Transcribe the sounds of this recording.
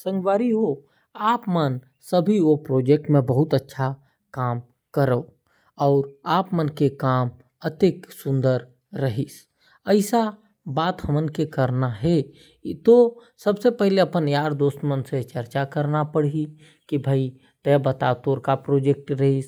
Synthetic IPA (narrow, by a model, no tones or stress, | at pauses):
sə̃ŋɡʋaːɾiɦo | aːpmən | səbʱiopɾoːd͡ʒek̚ʈmẽbəɦʊt̪ətːʃʰa | kaːm | kəɾəo | ɔːɾaːpmənkekaːm | ət̪eksʊ̃nd̪əɾː | əɦis | əɪsa | baːt̪həmənkekəɾnaɦɛ | t̪osəbsepɛɦleɐpənjaːɾd̪oːst̪mənset͡ʃəɾt͡ʃakəɾnapəɽ̤i | kibʱai | t̪ɛbət̪at̪oːɾkapɾoːd͡ʒek̚ʈɾəɦis